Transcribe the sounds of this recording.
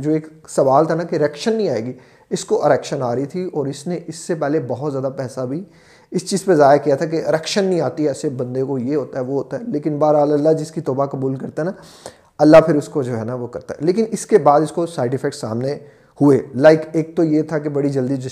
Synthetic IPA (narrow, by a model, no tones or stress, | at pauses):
d͡ʒoːeːksɐʋaːlt̪ʰanakeɾɛːkʃənːɦĩaːeːɡi | ɪskoʔɪɾɛːkʃənaːɾəit̪ʰiɔːɾɪsneʔɪsːepɛːɦlebɐɦɔt̪zjaːd̪apɛːsabʱi | ɪst͡ʃiːzpɐɾzaːjakijat̪ʰak̬eɐɾɛːkʃənːɦĩaːt̪iɛːsebɐ̃nd̪ẽkojeɦoːt̪aɦɛʋoɦoːt̪aɦɛleːkɪnbaːɾaːlɐlːad͡ʒɪskit̪ɔːbakɐbuːlkɐɾt̪aɦɛna | ɐlːapʰɪɾʊskod͡ʒoːɦɛnaʋokɐɾt̪aɦɛleːkɪnɪskebaːd̪ɪskosaːɪʈɪfʰɛk̚ssa̰ːmne | hʊelaːɪkeːk̚t̪ojet̪ʰak̬ebɐɽid͡ʒɐld̪isd͡ʒ